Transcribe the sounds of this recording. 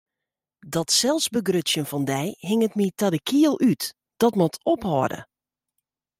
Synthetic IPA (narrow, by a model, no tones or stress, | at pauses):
dɔtsɛlˠsbəɡrøtsjənfɔndɛjɦɪŋətmitadəkʰiəlˠyt | d̥ɔtmɔtʰophɔːdə̰